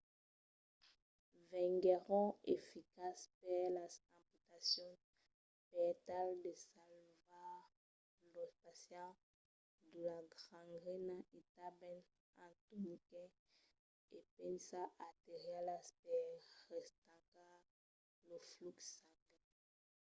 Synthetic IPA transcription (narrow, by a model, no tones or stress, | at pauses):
vɛ̃ŋɡɛʁɔ̃efikaspɛlazãput̪asjɔ̃ | pɛt̪ald̪əsalva | lospasjã | d̪əlaɡʁãŋɡʁɛnaʔet̪abɛ̃n | ãt̪onikɛ | epɛnsaʔat̪eʁjalaspɛʁɛst̪aka | lofluksaɡɛ